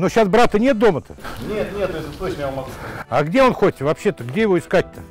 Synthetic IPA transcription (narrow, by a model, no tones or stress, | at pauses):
noɕasbɾat̪ənʲe̞t̪̚d̪o̞mət̪ə̥nʲet̪nʲet̪ːesʲlʲɪt̪ot͡ɕnjɛmɐɡuaɡdʲe̞onxo̞t̚ʲvɐpɕːe̞t̪əɡdʲeɪvo̞ɪskat̚ʲt̪ːə̥